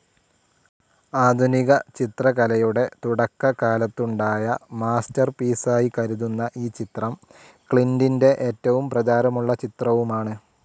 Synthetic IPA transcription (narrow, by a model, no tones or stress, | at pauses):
aːd̪ʱuniɣɐt͡ɕit̪rɐkɐlɐjuɽe̞t̪uɽɐkːɐkaːlɐt̪ːuɳɖaːjɐmaːstɐrpiːsaːjikɐɾuðunːɐʔiːt͡ɕit̪rɐm | kɭindinde̞ʔeːtːɐʋumprɐt͡ɕaːɾɐmuɭːɐt͡ɕit̪rɐʋumaːɳɨ